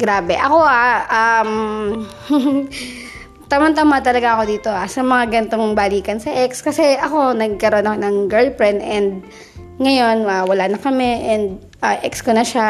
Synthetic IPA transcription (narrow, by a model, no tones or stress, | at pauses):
ɡ̥ɾaːbɛʔɐko̞ʔaʔam | t̪ɐmɐnt̪ɐmaːt̪ɐlɐɡaʔɐko̞d̪iːt̪o̞ʔasɐmɐŋaɡɐnt̪o̞ŋbaliːkɐnsɐʔɛkskɐsɛʔɐko̞nɐɡ̚kɐɾo̞nʔɐkonɐŋɡɛlpɹɛnʔɛnd̪̚ | ŋɐjo̞nmawɐlanɐkɐmɛʔɛnd̪̚ | ʔaʔɛkskonɐʃa